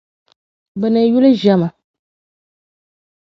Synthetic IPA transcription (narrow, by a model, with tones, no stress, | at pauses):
bɛ˨ne˨˦ju˦le˦ʒa˨mã˨